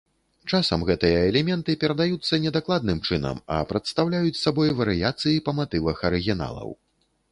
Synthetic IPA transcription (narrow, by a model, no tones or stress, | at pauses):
t͡ʂasɐmɣɛt̪ɨjɐɛlʲɛmʲɛnt̪ɨpʲɛɾɐd̪ajut̪sːɐnʲɛd̪aklˠad̪nɨmt͡ʂɨnɐ̰mɐ̰pɾɐt̪st̪awlʲajut͡sʲsabɔjvɐɾɨjat̪sɨjipɐmat̪ɨvɐxɐɾɨɣʲina̰lˠɐ̰w